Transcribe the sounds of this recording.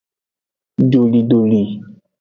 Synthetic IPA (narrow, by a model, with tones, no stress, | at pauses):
ɖo˨li˨ɖo˨li˨